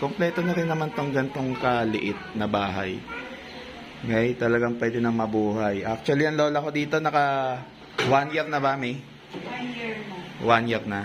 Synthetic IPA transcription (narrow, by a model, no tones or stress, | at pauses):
komplɛːt̪onɐɾɪnɐmant̪oŋɡɐnt̪o̞ŋkɐlɪʔɪt̪̚nɐbaːɦa̰j | ŋajt̪ɐlɐɡaŋpwɛːd̪ɛnɐŋmɐbuːɦajʔak̚t͡ʃ̪ʊwɐliɐŋlo̞ːlɐko̞d̪iːt̪o̞nɐkɐ | wanjɛɾnɐbamɪ | wanjɛɾnɐ